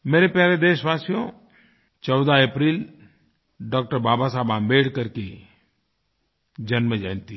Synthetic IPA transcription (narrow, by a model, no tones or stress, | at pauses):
meːɾepjaːɾed̪eːʃʋaːsijõ | t͡ʃɔːʊd̪aeːpɾiːl | ɖɔːk̚ʈəɾbaːbasaːbãːmbeːɽkɐɾke | d͡ʒɐnmẽd͡ʒãːnt̪i